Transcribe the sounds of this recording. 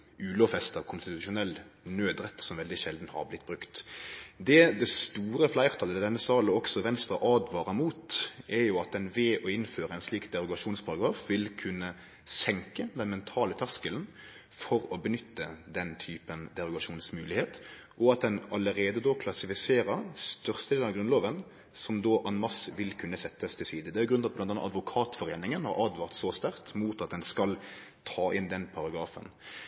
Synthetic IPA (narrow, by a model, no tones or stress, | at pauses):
ʉːlɔfɛst̪ɑʋkʰʊnst̪ɪt̪ʉʃʊnɛlːnøːd̪ʁɛt̪ːsɔmʋɛld̪ɪʃɛld̪n̩hɑ̰ʁblɪt̪ːbʁʉkt̪d̪ɛd̪ɛst̪uːɾəflæɪʁt̪ʰɑləd̪ɛnːəsɑːlɔksɔʋɛnst̪ʁɑʔɑːd̪ʋɑːʁəmuːt̪ʔɛjʊɑt̪̚d̪ɛnʋeːʔɔɪnføːɾəɛɪnsliːkd̪ɛʁʊɡɑʂuːnspʰɑɾɑɡɾʁɑːfʋɪlkʰʉnːə | sɛŋkəd̪ɛnmɛnt̪ʰɑːlət̪ʰæʁskəln̩ | fɔɾɔbənʏt̪ːəd̪ɛnt̪ʰyːpənd̪ɛʁʊɡɑʂuːnsmʉːlɪheːt̪ | ʔɔɑt̪̚d̪ɛnɑləʁeːd̪əd̪oːkʰlɑsɪfɪseːʁəst̪œʁst̪əd̪eːɑʋɡɾʉnloːʋən | sɔmd̪oːʔɑnmɑsʋɪlkʰʉnːəsɛt̪ːəst̪ʰɪlsiːd̪əd̪ɛæɾɡɾʉnʰɑt̪̚b̪ɑnɑnːɑd̪ʋʊkʰɑːt̪fɔʁeːnɪŋənhɑ̰ɾʔɑd̪ʋɑʁt̪sɔst̪æʁt̪muːt̪ɑt̪̚d̪ɛnskɑl | t̪ʰɑːʔɪnd̪ɛnpʰɑʁɑɡʁɑːfə̰n